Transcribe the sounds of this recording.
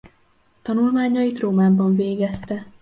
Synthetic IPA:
t̪ɒnulmaːɲɒjit̪roːmaːbɒɱveːɡɛst̪ɛ

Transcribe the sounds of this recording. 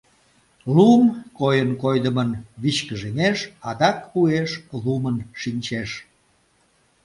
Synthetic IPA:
lumkojənkojd̪əmənβit͡ɕkəʒemeʃɑd̪ɑkpueʃlumənʃinʲt͡ɕeʃ

